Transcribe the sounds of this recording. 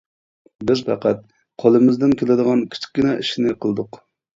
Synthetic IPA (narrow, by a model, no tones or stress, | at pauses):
bɪzpɑ̰qæt̪̚ | qʰolˠɨmɪzd̪ɪnkʲʰelɪd̪əʁɑnkʲʰi̥t͡ʃʰi̥kʲːɪnɛʔiʃinɪqʰəlˠd̪ʊq